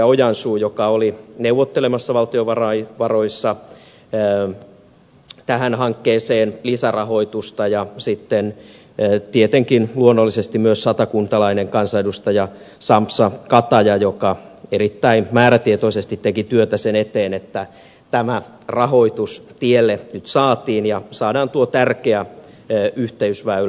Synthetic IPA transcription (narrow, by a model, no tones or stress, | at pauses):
ɑojɑnsuːjokɑolineuʋːot̪ːelemɑsːɑʋɑlt̪ioʋɑrɑiʋɑroisːɑ | t̪æhænhɑŋkːeːseːnlisærɑho̞it̪ust̪ɑjɑsit̪ːen | t̪iet̪eŋkinluonːolːisest̪imyøssɑt̪ɑkunt̪ɑlɑineŋkɑnsɑjdust̪ɑjɑ | sɑmpsɑkɑt̪ɑjɑjokɑerit̪ːæimæːɾæt̪iet̪oisest̪it̪t̪ekit̪yøt̪æsenet̪eːnet̪ːæ | t̪æmæ | rɑhoit̪ust̪ielːenyt̪sɑːt̪iːnjɑsɑːdɑːnt̪uot̪ærkeæ | yht̪eysʋæyl